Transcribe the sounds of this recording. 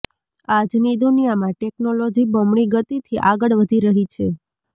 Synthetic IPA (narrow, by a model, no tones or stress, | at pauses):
ad͡ʒnid̪unijamãʈeknolod͡ʒibɔmɳiɡət̪it̪ʰiʔaɡəɭʋəd̪ʱiɾəɦit͡ʃʰe